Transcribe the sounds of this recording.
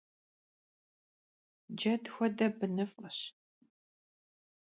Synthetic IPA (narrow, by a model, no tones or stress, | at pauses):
d͡ʒɐdxʷɔdɐbɨnɨfqəɕ